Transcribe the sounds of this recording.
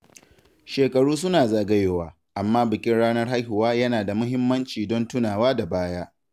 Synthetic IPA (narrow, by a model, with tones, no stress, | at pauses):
ʃeː˨kʼɐ˨ɽuː˦s̬ʊ˦naː˨zaː˨ɡɐ˦jeː˨waː˨ | ʔa˨mːaː˦bɪ˨kʲʼɪ˦nɽaː˦nɐ˦rɦa˦jɦʊ˨waː˦jɐ˦naː˨da˨mʊ˦ɦɪ˦mːɐ˦nt͡ʃiː˨dɔ˦ntʊ˦naː˨waː˦da˨baː˦jaː˦ʔ